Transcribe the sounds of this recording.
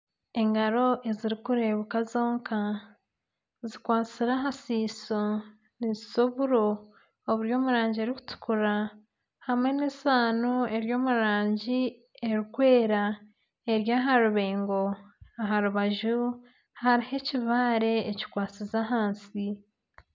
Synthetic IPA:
e̞ŋɡaɾo̞ʔe̞ziɾikuɾe̞βukazo̞ːŋka | zikwaːt͡siɾaɦasiːso | niziso̞βuɾo̞ː | βuɾjo̞ːmuɾaːɲɟieɾiku̥tu̥kuɾa | hamŋe̞nesaːnoe̞ɾjo̞ːmuɾaːɲɟi | e̞ɾikwe̞ːɾa | e̞ɾjaːɦaɾuβeːŋɡoaɦaɾuβaʒu | haɾihe̞ciβaːɾe̞ːci̥kwaːt͡sizaɦaːnsi

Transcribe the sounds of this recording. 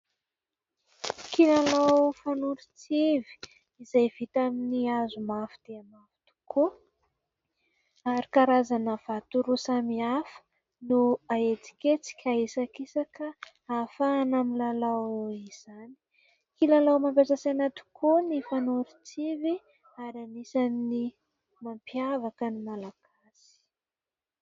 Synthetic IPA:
kilalawfanuɾit͡sivi̥ | izajv̥it̪aminiazumafi̥d̪̥eamafi̥t̪u̥kʰo | aɾikaɾazanəv̥at̪uɾusamiafə̥ | nuaet͡si̥ket͡si̥kʲaisakisakə | afaːnamilalawiz̥ani̥ | kilalawmampʲasasenat̪u̥kʰonifanoɾit͡sivi | aɾanisamini | mampiavakənimalaɡ̥asi̥

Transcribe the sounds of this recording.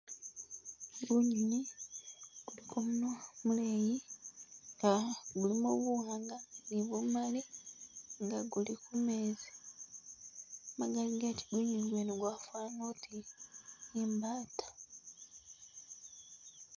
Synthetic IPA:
iɡuːɲini | ɡ̥ulikʰomunomuleji | ŋɡaɡulimoβuwaːŋɡaniβumali | ŋɡaɡulikumeːzi | maɡaliɡaci̥ɡuːɲiniɡweneɡwafaːnotinimbaːtḁ

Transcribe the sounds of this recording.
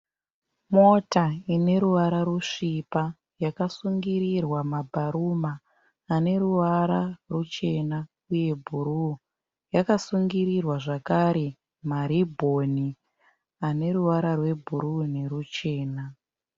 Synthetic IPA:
motaine̞ɾuʋaɾaɾuʂipa | jakasuŋɡiɾirwamabʱaɾumaː | ne̞ɾuʋaɾarut͡ʃe̞na | uje̞bʱuɾu | jakasuŋɡiɾirwaʐakaɾe̞ | maɾibʱo̞ni | ane̞ɾuʋaɾarwe̞bʱuɾune̞rut͡ʃe̞ːna

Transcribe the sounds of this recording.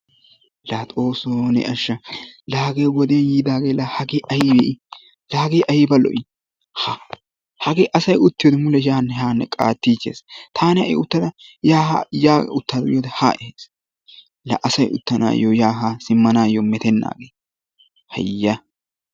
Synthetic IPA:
laːt̪ʼoːsonɛ̰ʔɐʃːɐlaːɡejwɔd̪ɪjɐnjiːd̪aːɡeːlɐhɐɡeːʔɐjɪbeɪ | laːɡejʔɐjɪbɐlɔ̰ʔɪ | ha | hɐɡeːʔɐsɐjʊt̪ːɪjod̪ɛmʊlɛjaːnːɛɦaːnːɛ̰kʼa̰ːt̪ːiːt͡ʃːḛːst̪ʰaːnɛɐ̰ʔɪ̰ʊt̪ːɐd̪ɐjaːɦjaːʊt̪ːaːd̪ʊjoːd̪ɛha̰ːʔɪheːs | lɐ̰ʔɐsɐjʊ̰t̪ːɐna̰ːjojaːɦasɪmːɐnaːjomɛt̪ɛnːa̰ːɡeː | hɐ̰jːɐ

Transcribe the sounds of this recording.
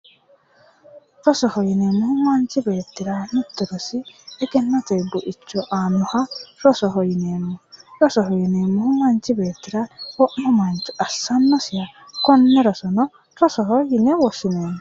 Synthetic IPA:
ɾɔsɔhɔjinemʊhʊmant͡ʃibeːt̪ːɪɾanut̪ːɛɾɔsiɛɡɛnːɐt̪ɛjbʊʔɪt͡ʃːɔʔaːnːʊhaɾɔsɔɦɔjineːmːɔɾɔsɔɦɔjineːmːɔhʊmant͡ʃibeːt̪ːɪɾawɔʔmɔmant͡ʃiʔɐsːɐnːɔsɪjakɔnːɛɾɔsɔnɔ | ɾɔsɔɦɔjinɛwɔsɪneːmɔ

